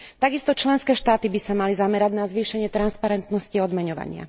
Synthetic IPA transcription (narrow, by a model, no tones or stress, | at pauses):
t̪aɡist̪ɔt͡ʃlɛnskɛːʃt̪aːt̪ibisamalizamɛɾaɟnazʋiːʃɛɲɪɛt̪ɾanspaɾɛnt̪nɔsciɔd̪mɛɲɔʋa̰ɲɪa̰